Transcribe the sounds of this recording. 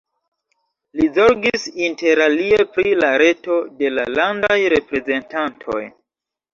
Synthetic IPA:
lizo̞ɾɡisinte̞ɾalie̞pɾilaɾe̞to̞de̞la̰landajɾe̞pɾe̞ze̞ntantʰo̞̰j

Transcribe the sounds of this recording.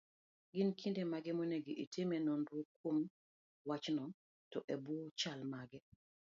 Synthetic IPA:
ɡɪnkʰindemaɡɛmoneɡiʔitemɛnondwokwom | wat͡ʃnɔ | tɔʔebut͡ʃalmaɡɛ

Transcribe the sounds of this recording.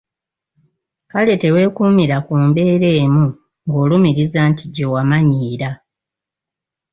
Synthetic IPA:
kale̞te̞we̞ːkuːmiɾakuːmbe̞ːɾe̞ːmu | ŋɡo̞ːlumiɾizaːntiɟowamaɲiːɾa

